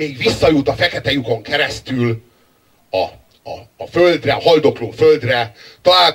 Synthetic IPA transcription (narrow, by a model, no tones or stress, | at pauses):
eːɡʋisːɒjut̪ɒfɛkɛt̪ɛjuko̞ŋkɛɾɛst̪yl | ɒ | ɒ̰ːføld̪rɛɒɦɒld̪o̞kloːføld̪rɛt̪ɒlaː